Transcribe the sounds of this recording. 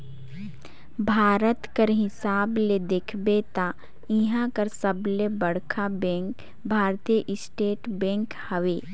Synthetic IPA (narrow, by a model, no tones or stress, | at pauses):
bʱaːɾət̪kəɾɦɪsaːbled̪eːkʰbet̪a | ɪɦãkəɾsəblebəɽkʰabɛ̃ːŋk | bʱaːɾt̪ijəʔɪsʈeːʈbɛ̃ːŋkhəʋeː